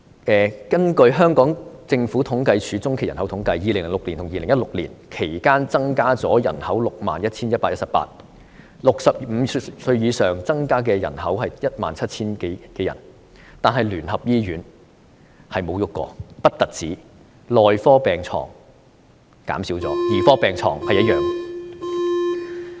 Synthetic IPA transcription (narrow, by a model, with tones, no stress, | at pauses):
ʔɛː˨kɐ˥nkɵ˧ɥɦœː˥ŋkɔː˨˥ŋt͡sɪ˧ŋfuː˨˥t̪ʰʊ˨˥ŋkɐ˧jt͡ʃʰyː˨˥t͡sʊ˥ŋkʰjɐ˨˩nhɐ˨˥wt̪ʰʊ˨˥ŋkɐ˧jjiː˨le˨˩ŋlɪ˨˩ŋlʊ˨kli˨˩t̪ʰʊ˨˩ŋjiː˨lɪ˨˩ŋjɐ˥tlʊ˨k̚liː˨˩nkʰe˨˩jkaː˥nt͡sɐ˥ŋkaː˥t͡sɔː˨˥jɐ̰˨˩nhɐ˨˥wlʊ˨k̚ma̰ː˨njɐ˥t̚t͡sʰiː˥njɐ˥t̚paː˧˥jɐ˥tsɐ˨pa̰ː˧t̚ | lʊ˨k̚sɐ˨p̚m̩ː˨˧sɵ˧ɥjiː˨˧sœː˨ŋt͡sɐ˥ŋkaː˥k̬ɛː˧jɐ̰˨˩nɦɐ˨˥wɦɐ˨jjɐ˥t̚ma̰ː˨nt͡sʰɐ˥t̚t͡sʰiː˥nkkɛː˧jɐ̰˨˩n | t̪aː˨nɦɐ˨jlyː˨˩nɦɐ˨p̚jiː˥ɥyː˨˥n | hɐ˨jmo˨˧wjʊ˥kːɔ̰ː˧pɐ˥t̚t̪ɐ˨t̚t͡siː˨˥ | lɔː˨jfɔː˥pɛː˨˩ŋt͡sʰɔ̰ː˨˩ŋ | ka̰ː˨˥msiː˨˥wt͡sɔ̰ː˨˥jiː˨˩fɔː˥pɛː˨ŋt͡sʰɔː˨˩ŋhɐ˨jɐ˥t̚jœː˨ŋ